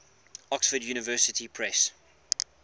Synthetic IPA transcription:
ɔksfədjuːnɪvɜːˑsɪtʰipʰɹɛs

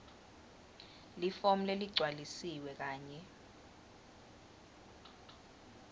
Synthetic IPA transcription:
lifom̩leliɡ͡ǀʱwalisiwɛk̬aːɲɛ

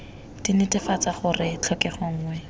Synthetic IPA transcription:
d̥inɪtʼɪfat͡saχʊrɪt͡ɬʰɔkɛχɔŋ̩ːŋwɛ

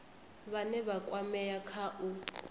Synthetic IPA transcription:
βanɛβakʼwamɛjakʰaʔu

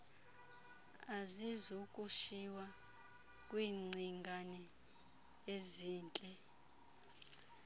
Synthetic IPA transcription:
azizukʼuʃiwa | kʼwiːŋ͡ǀʱiŋɡʱanɛ | eziːnt͡ɬʼɛ

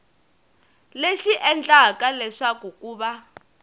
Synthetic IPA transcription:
leʃiʔɛnd͡ɮakalɛʂakukʼuːɓa

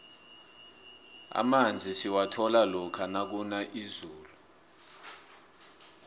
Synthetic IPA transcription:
a̰mand͡zʱisiwatʰɔlalɔkʰanak̬unaʔizuːlu

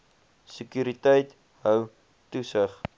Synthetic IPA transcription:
səkyːɾitəjt | ɦœw | tusəχ

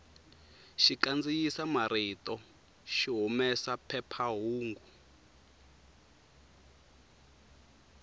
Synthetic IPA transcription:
ʃiǃand͡zijisamaɾitʼɔ | ʃiɦumɛsapʰɛpʰaɦuːŋɡu

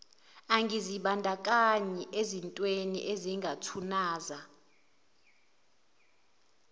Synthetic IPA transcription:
aŋɡʱiziɓandʱakʼaɲɛʔezintʼwenḭʔeziŋɡʱatʰunaːza

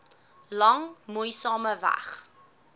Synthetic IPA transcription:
lɐŋmujsɑːməvæ̰χ

